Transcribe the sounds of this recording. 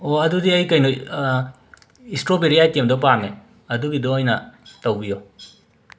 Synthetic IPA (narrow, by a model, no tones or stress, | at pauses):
oɐdudiɐjkɐjno | istɾobeɾijatemdɔpaɾne | ɐduɡidɔojnɐtɐwbijo